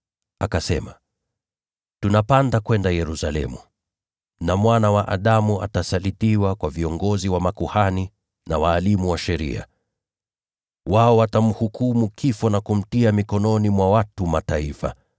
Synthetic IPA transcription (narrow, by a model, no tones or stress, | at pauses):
akasɛ̰ma | tunapandakwɛndajɛɾusalɛ̰mu | namwanawaʔa̰ɗamua̰tasalitiwakwaviɔŋɡɔziwamakuhani | nawaːlimuwaʃɛɾḭa̰ | waɔwatam̩hukumukʰifɔnakum̩tiamikɔnɔnimwawatumataifa̰